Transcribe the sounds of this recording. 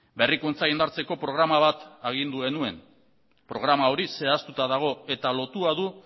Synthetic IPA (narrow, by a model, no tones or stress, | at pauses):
be̞rikunt͡saind̪aɾt͡se̞ko̞pɾo̞ɣɾamaβ̞at̪aɣ̞ind̪uɣe̞nue̞n | pɾo̞ɣɾamao̞ɾise̞ast̪ut̪aðaɣ̞o̞e̞t̪alo̞t̪uaðu